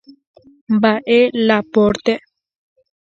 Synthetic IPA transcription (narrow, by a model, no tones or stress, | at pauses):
mbaʔelapoɾt̪e